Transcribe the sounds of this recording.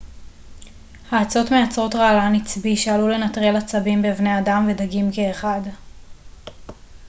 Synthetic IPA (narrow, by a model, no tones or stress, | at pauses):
haːt͡so̞tmejat͡sʁo̞tʁaːlanit͡sbiʃealule̞natʁelat͡sabimbevne̞adamve̞daɡimkeːχad